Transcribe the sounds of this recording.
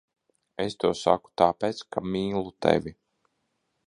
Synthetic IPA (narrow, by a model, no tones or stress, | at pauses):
est̪uɔsa̰ku̥t̪aːpɛːt̪skʰamiːlˠut̪ḛvʲi